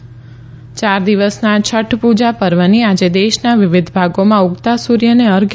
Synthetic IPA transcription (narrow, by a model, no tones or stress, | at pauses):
t͡ʃaɾd̪iʋəsnat͡ʃʰəʈʰpud͡ʒapəɾʋaniad͡ʒed̪eʃnaʋɪʋɪd̪ʱbʱaɡomãʊɡt̪asuɾjəneəɾɡ